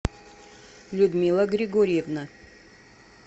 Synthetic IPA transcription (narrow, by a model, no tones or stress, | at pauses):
lʲud̪mʲilˠaɡɾʲɪɡoɾʲijɛvna